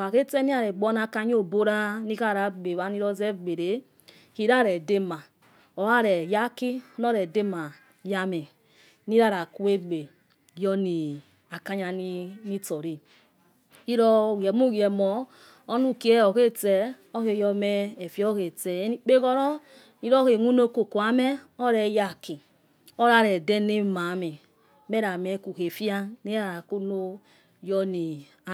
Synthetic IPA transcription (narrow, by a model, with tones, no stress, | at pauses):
a˨ke˦tɛ˦ni˦a˨ɾɛ˨ɡ͡bɔ˦na˧ka˧ɲ˦o˦˨bo˦ɾa˦ni˦ka˦˨ɾa˨˦ɡ͡be˨βa˨ni˦ɾɔ˧zɛ˦˨ɡ͡be˨ɾe˨˦ | hi˨ɾa˦˨ɾɛ˨de˧ma˨ | ɔ˨wa˦˨ɾɛ˨ja˦ki˦ɔ˦nɔ˦ɾɛ˨de˦ma˨ | ja˧mɛ˨ | ni˦ɾa˦˨ɾa˨ku˦e˦ɡ͡be˨ | jɔ˦ni˨ | a˨ka˦ɲa˧ni˦ni˦tɔ˨ɾi˨ | i˦ɾɔ˦˨ɛ˨mu˦˨ɡi˨ɛ˨mɔː˨˦ | nu˦˨ke˦ɔ˨ke˦tɛ˨ | ɔ˦he˨jɔ˧mɛː˦˨fi˦ɔ˦ke˨tɛ˨˦ni˦k͡pe˦ɡɔ˦ɾɔ˦ | ni˦ɾɔ˦he˨ŋʷu˦no˦ko˨ku˨a˨˦mɛ˦ | ɔ˦ɾɛ˨˦ja˨ki˨ | ɔ˦ɾa˧ɾɛ˨dɛ˦ne˦ma˨˦mɛ˨ | mɛ˦ɾa˨mɛ˨˦ku˨he˨fi˦a˦ni˦ɾa˦a˨ɾa˨ku˦no˦ | jɔ˦ni˨ | a˨